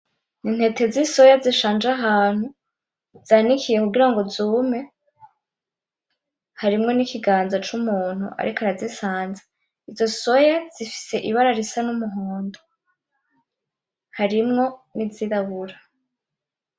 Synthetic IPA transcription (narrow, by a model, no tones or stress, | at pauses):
nin̥he̞te̞ziso̞jaziʃaːnd͡ʒaɦaːn̥hu | z̥anikʰije̞kuɡiɾaŋɡo̞zume̞ | haɾimŋo̞nikʰiɡaːnzat͡ʃumuːn̥hṵʔa̰ɾʔikoaɾazisaːnza | izo̞so̞jaz̥ifi̥se̞ʔiβaɾaɾisanumuɦoːndo | haɾimŋo̞niziɾaβuɾa